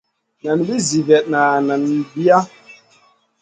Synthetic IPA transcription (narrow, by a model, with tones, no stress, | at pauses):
na˨nbi˦zi˨vɛ˨t̚na˨na˨n˨bi˦a˦